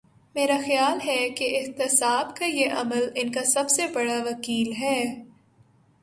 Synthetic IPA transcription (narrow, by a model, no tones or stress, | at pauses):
meːɾaxjaːlɦɛkeʔɪɦt̪ɪsaːbkajeʔɐməlɪnkasɐbsebɐɽaʋɐkiːlɦɛː